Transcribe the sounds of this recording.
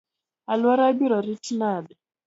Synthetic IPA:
alwaɾabiɾɔɾitinadɛ

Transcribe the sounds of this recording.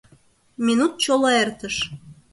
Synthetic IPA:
mʲinut̪̚t͡ɕolˠɑert̪əʃ

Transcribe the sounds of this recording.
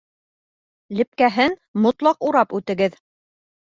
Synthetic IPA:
lɘ̆p̚kæɦɘnmŏt̪lˠɑquɾɑpʉt̪ɘ̆ɡɘð

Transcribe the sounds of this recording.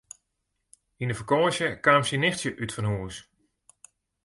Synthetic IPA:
inəvəkɔːʃjəkaːmsinɪxtjəʔytfɔnɦuːəs

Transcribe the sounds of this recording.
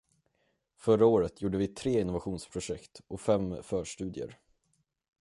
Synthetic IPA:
fœɾaoːɾət̪ʰjuːɖəvɪt̪ʰɾeːɪnːʊvaɧuːnspʰɾʊʂɛkt̪ʔɔfɛmːfœːʂʈʉ̟ːd̪ɪə̰ɾ

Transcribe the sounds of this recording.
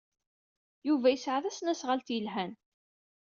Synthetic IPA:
juvæjəsʕaðæsnæsʁəlt̪jəlɦæn

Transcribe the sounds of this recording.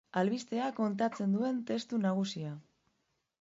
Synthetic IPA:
alβist̪e̞ako̞nt̪̬at͡se̞nd̪ue̞nt̪e̞st̪unaɣ̞usia

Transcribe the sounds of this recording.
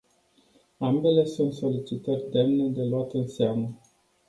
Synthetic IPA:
ambe̞le̞sunt̪so̞lit͡ʃit̪ərʲd̪e̞mned̪e̞loat̪ɨnseamə

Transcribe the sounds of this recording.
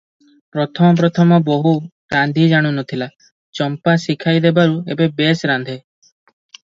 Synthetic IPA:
pɾɔt̪ʰɔmɔpɾɔt̪ʰɔmɔboɦu | ɾand̪ʱid͡ʒaɽ̃unɔt̪ʰila | t͡ʃɔmpasikʰajd̪ebaɾuḛbebesɾand̪ʱe

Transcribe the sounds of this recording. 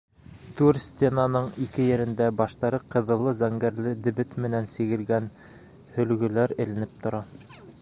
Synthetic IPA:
t̪ʉɾsʲt̪ʲenanɤɴikɘjɘ̆ɾɘ̆nd̪æbɑʃt̪ɑɾɤqʰɤ̆ðɤ̆lˠːɤzæŋɡæɾlɘd̪ɘ̆bɘt̪mɘ̆nænsĭɣɘ̆lɡæn | hɵ̆lɡɵ̆læɾɘ̆lɘ̆nɘp̚t̪ŏɾɑ

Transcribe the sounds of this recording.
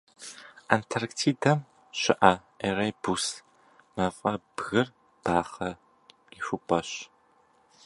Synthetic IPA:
antʰɐrktʰiːdɐm | ɕɪʔɐ | erejbus | mɐfʼɐb̥ɣɨr | b̥aːχɐ | iɕʷʊpʷʼɐɕ

